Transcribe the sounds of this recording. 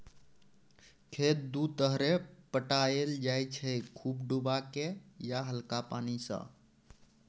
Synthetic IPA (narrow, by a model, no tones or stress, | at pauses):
kʰet̪̚d̪ut̪əɦɾepəʈaeld͡ʒajt͡ʃʰɛkʰubɖubakejaɦəlkapanisə̰̃